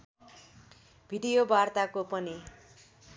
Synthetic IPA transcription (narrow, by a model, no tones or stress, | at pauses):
bʱiɖijobart̪akopʌni